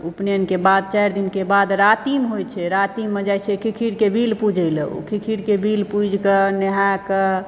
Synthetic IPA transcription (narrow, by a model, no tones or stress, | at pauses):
upneənkebad̪̚t͡ʃajɾd̪inkebad̪ɾat̪imɦojt͡ʃʰɛɾat̪imːd͡ʒajt͡ʃʰekʰikʰiɽkebilpud͡ʒʱəjləṵkʰikʰiɽkebilpud͡ʒʱkəneɦakə